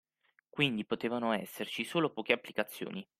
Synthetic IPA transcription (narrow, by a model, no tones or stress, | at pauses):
kwind̪ipot̪eːvanoɛsːert͡ʃisoːlopɔːk̟eapːlikat̪sːjo̰ːni